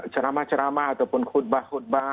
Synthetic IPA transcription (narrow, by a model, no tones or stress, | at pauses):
t͡ʃəɾamat͡ʃəɾamaat̪awpʊnkʰut̪̚bahut̪̚ba